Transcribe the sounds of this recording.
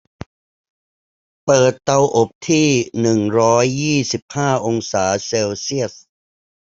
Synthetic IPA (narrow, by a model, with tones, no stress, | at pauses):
pɤː˨˩t̪ːa˧wʔo˨˩p̚t̪ʰiː˥˩nɯ˨˩ŋɾɔː˦˥jːiː˥˩si˨˩p̚haː˥˩ʔo˧ŋsaː˩˦seː˧wsi˥˩əs̚